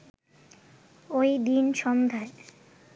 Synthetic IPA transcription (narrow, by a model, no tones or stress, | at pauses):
ojd̪inʃɔmd̪ʱae